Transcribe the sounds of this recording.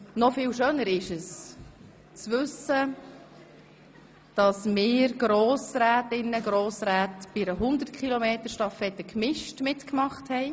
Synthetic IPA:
nɔfɪːlʃøːnəɾɪʃəs | t͡sʋʏsə | d̥ɑsmɪːɾɡ̥ɾoːsɾæːtɪnːəɡɾoːsɾæːtb̥iɾəɦʊnd̪əɾtkʰχilɔmeːtəɾʃtɑfɛt̪ːəkmɪʃtmɪtkmɑχthɛɪ

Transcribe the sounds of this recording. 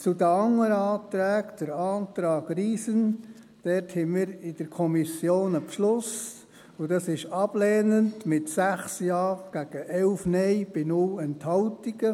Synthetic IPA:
t͡sudəɑŋːəɾɑːtɾɛːɡd̥əɾɑːtɾɑːɡriːsən | d̥ɛthɛmiːɾɪd̥əɾkʰɔmisjoːnəpʃlʊs | ʊd̥ɑsɪʃɑb̥lɛːnəndmɪtsæχsjɑːɡ̥æɡ̥əʔɛlfnɛɪb̥ɪnʊlɛnthɑwtiɡ̥ə

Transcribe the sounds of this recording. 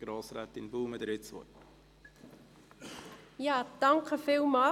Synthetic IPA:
ɡ̥ɾoːsɾæːt̪ɪnbuːməd̪əɾɪt͡sʋɔ̰t | jɑːd̥ɑŋkʰəfiːlˠmɑː

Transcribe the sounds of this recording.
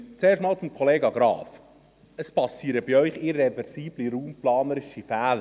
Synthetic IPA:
t͡seːrʃtmɑːlt͡sumkʰχɔleːɡɑɡɾɑ̰ːf | əspɑsiːɾəbiœʏχɪɾɛvɛɾsiːbliɾuːmplɑːnəɾɪʃifæːlə

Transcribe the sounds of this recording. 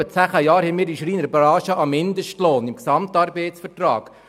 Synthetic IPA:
ət͡sæːχəjɑːɾhɛmɪːɾiʃɾiːnəɾbɾɑːʃəʔɑmːɪndəʃtloːnɪmksɑmtɑɾbɛɪtsfəɾtrɑ̰ːk

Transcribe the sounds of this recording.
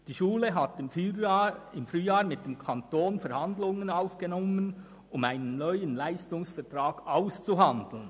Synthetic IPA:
d̥iːʃuːləɦatɪm | ɪmfryːjaːɾmɪt̚d̥emkʰantoːnfɛɾhand̪lʊŋənaʊfɡ̥enɔmən | ʊmaɪnənːœʏənlaɪstʊŋsfɛʁtʁaːɡ̥aʊst͡suɦandl̩n

